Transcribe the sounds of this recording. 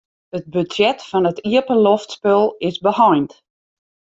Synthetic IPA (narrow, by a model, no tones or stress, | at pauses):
ət̚bydjɛtfɔnətiəpəloftspølˠɪsbəhɔjnt